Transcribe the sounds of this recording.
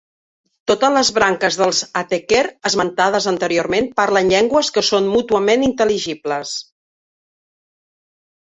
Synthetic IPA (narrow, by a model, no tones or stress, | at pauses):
t̪ot̪ələzβɾaŋkəzðəlˠzət̪ekɛɾəzmənt̪að̞əzənt̪əɾioɾmenpaɾlənʎɛŋɡwəskəsonmut̪uəmenint̪əliʒipləs